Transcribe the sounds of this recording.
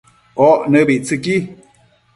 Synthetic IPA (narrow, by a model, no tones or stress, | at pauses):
ɔʔnəbiʔt͡sɨki